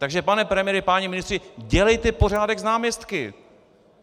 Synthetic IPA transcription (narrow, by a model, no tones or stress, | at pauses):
t̪aɡʒɛpanɛpɾɛmɪjɛɾɪpaɲimɪnɪst̪r̥ɪɟɛlɛjt̪ɛpo̞r̝aːdɛɡznaːmɲɛst̪kɪ